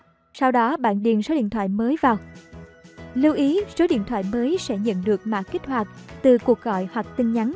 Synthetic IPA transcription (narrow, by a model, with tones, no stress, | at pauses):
sa˧wɗɔ˨˦ɓa̰ː˧˨nɗḭ˧˨ənso˨˦ɗḭ˧˨nt̪ʰwa̰ː˧˨jməː˨˦jvaː˨˩w | li˧wʔi˨˦so˨˦ɗḭ˧˨ənt̪ʰwa̰ː˧˨jməː˨˦jsɛ̰˧˥ɲə̰˧˨nɗɨ˨˩ək̚ma̰ː˧˥ki˦˥k̟̚hwaː˨˩k̚t̪ɨ˨˩ku˨˩ək̚ɣɔ̰˧˨jhwa˨˩k̚t̪ï˧ŋ̟ɲa˨˦n